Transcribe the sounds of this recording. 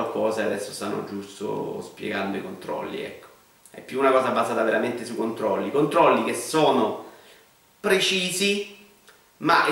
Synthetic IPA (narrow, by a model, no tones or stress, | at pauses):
okːɔːzead̪ɛsːost̪a̰nːo̰d͡ʒust̪o̰spjḛɡand̪oikont̪ɾɔ̰lːḭɛ̰kːo̥ | ɛ̰pːjuːnakɔːzabːazaːt̪aveɾament̪esukːont̪ɾɔlːikont̪ɾɔlːik̟esːoːno | pɾet͡ʃiːzi | maʔ